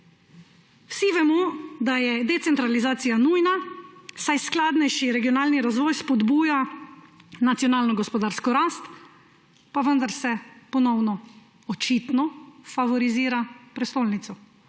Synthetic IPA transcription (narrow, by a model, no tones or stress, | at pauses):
wsiʋɛmɔd̪ajɛd̪ɛt̪sɛnt̪ɾalizaːt̪sijanuːjnasajsklaːd̪nɛjʃiɾɛɡijɔnaːlniɾazʋɔːjspɔd̪buːja | nat̪sjɔnaːlnɔɡɔspɔd̪aːɾskɔɾaːst̪ | paʋənd̪aɾsɛpɔnɔwnɔ | ɔt͡ʃit̪nɔfaʋɔɾiziːɾapɾɛst̪oːlnit̪sɔ